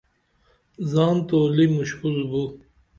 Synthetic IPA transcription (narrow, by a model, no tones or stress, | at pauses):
zɑːnt̪oːlimuɕhulbu